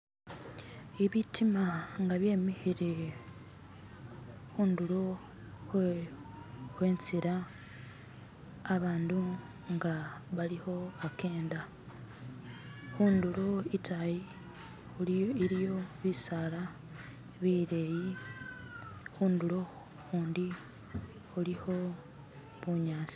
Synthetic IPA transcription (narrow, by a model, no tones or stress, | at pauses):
iβitʰimaŋɡaβje̞ːmihiɾe | xuːndulo | e | xwe̞ːnt͡siɾa | βaːndu | ŋɡaβaliho̞ake̞ːnda | xuːndulo̞itʰaji | uiɾijo̞βisala | βiɾeji | xuːnduɾo̞ | xuːndi | xuliho̞ | βuɲaːsi̥